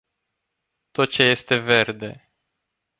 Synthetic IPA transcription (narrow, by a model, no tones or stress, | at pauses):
t̪o̞t̪̚t͡ʃeje̞st̪e̞ve̞rd̪e̞